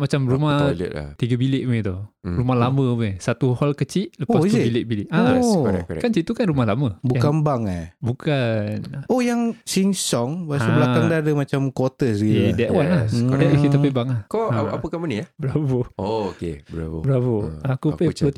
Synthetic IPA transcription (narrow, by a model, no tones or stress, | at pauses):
mat͡ʃamɾumahl̰ʔla̰t̪iɡəbilɪʔmet̪oɾumahlamə̃besat̪uhɔlkət͡ʃiʔləpasbilɪʔbilɪʔʔaɛ̰kant͡ʃiʔt̪ukanɾumahlaməbukambaŋabukʰanojaŋsiŋsɔŋbasblakaŋdadəmat͡ʃamkot̪əsɡiedaʔwanaaʔkiapebaŋakɔaapəkaməniahbəɾapəookebəɾa̰əbəɾapəakupeə